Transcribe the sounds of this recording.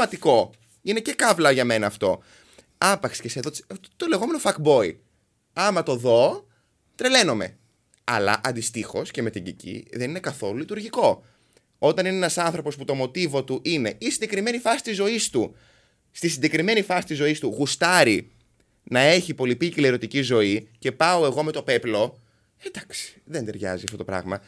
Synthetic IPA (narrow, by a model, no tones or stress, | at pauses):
mɐt̪iko̞ | ine̞ce̞kɐvlɐʝɐme̞nɐːft̪o̞̰ | ɐpɐkse̥ceseðotot̪ole̞ɣo̞me̞nofɐkbo̞i | ɐmɐt̪o̞ðo̞ | t̪ɾe̞le̞no̞me̞̰ | ɐ̰lɐ̰ʔɐnd̪ist̪ixo̞sce̞me̞t̪iɲɟicḭðe̞nine̞kɐθo̞lulit̪uɾʝiko̞ | o̞t̪ɐnineenɐsɐnθɾo̞po̞sput̪o̞mo̞t̪ivo̞t̪uʔine̞ʔisiɲɟe̞kɾime̞nifɐsi̥t̪izo̞ist̪u | st̪isiɲɟe̞kɾime̞nifɐsi̥t̪izo̞ist̪uɣust̪ɐɾi | nɐe̞çipo̞lipicileɾo̞t̪icizo̞ice̞pɐoe̞ɣo̞me̞t̪o̞pe̞plo̞ | ed̪ɐksi̥ðend̪e̞ɾʝɐ̰ziɐft̪o̞t̪o̞pɾɐ̰ɣmɐ